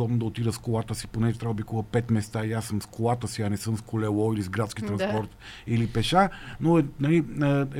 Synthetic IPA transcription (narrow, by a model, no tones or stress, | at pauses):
ɔbnod̪ɐot̪id̪əskolˠat̪əsi̥ponɛʒɛt̪ɾʲavd̪bikuɣəpɛt̪mɛst̪aiasːɤmskolˠat̪əsiɐnɛsɤmskʰolɛlˠɔilizɡɾat̪skʲit̪ɾɐnspɔɾt̪ilipɛʃanoɛnɐliəɛ